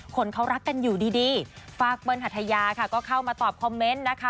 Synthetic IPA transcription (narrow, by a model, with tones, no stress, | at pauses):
kʰo˧˥nkʰa˦˥wɾa˦˥kːa˧njuː˨˩diː˧diː˧faː˧˩k̚pɤː˧nha˨˩t̪ʰːa˧jaː˧kʰa˥˩kɔː˥˩kʰa˥˩wmaː˧t̪ɔː˨˩p̚kʰɔ˧mːe˦˥nːa˦˥kʰa˦˥